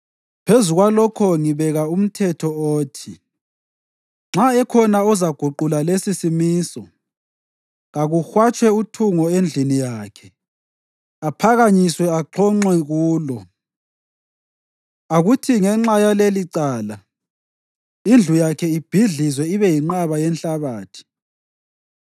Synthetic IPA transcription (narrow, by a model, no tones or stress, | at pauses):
pʰezuɣwalɔkʰɔŋiβɛɣaum̩tʰɛtʰɔoːtʰi | ŋ͡ǁaɛkʰɔnaɔzaɡ̥ʱuǃulalesisimiːsɔ | ɣaɣuxwat͡ʃʰʼwɛutʰuŋɔend͡ɮʱinijaːkʰɛ̥ | apʰaɣaɲiswɛaǃʰɔŋ͡ǃwɛɣuːlɔ | aɣutʰiŋɛŋ͡ǁajaleliǀaːla | ind͡ɮʱujakʰɛib̥ʱiɮizwɛiβɛjiŋ͡ǃaβajɛnɬaβaːtʰi̥